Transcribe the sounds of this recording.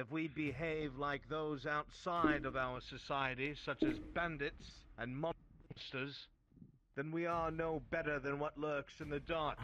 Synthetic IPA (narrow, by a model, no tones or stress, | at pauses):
ɨfwibɨɦeɪvlaɪk̚ðoʊzaʊtsaɪɾʌvaʊə˞sɨsaɪɨɾisʌt͡ʃɨzbæ̃ndɨtsɨ̃nmɑ̃nstə˞z | ðɨ̃nwiə˞noʊbɛɾə˞ðɨ̃nwʌtˡlɜ˞ksɨ̃nðɨdɑɹk